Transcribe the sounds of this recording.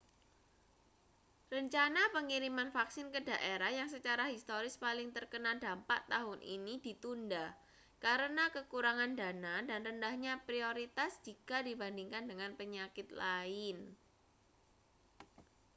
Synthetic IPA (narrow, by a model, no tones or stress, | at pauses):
rəɲt͡ʃanapəŋiɾimanfaksɪnkəda̤ʔeɾahjaŋsət͡ʃaɾaɦist̪oɾɪspalɪŋt̪ərkənaldampaʔt̪aɦʊnʔḭnid̥i̤t̪unda | kaɾənakəkuɾaŋandanadanrəndahɲapɾioɾit̪asd͡ʒikadibandiŋkandəŋanpəɲakɪt̪̚laɪn